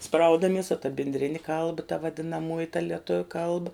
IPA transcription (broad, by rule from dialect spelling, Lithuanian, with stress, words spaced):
ˈsprɐʊdɐmʲiɛs oː tɐ bʲɪnʲdʲˈrʲɪnʲɪ ˈkɐlˠbɐ tɐ ʋɐdʲɪnɐˈmuɔjɪ tɐ lʲiɛˈtʊʋʲʊ ˈkɐlˠbɐ